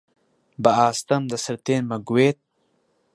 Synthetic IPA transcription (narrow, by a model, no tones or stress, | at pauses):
bɐaːst̪ɐmd̪ɐsɐɾt̪eːnmɐɡuweːt̪̚